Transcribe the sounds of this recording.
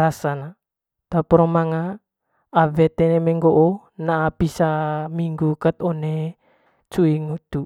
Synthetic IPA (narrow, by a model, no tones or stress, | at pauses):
ɾasana | t̪apɾomaŋaː | vet̪enemeŋɡoʔonaʔːpisamiŋɡukət̪one | t͡ʃuiŋut̪u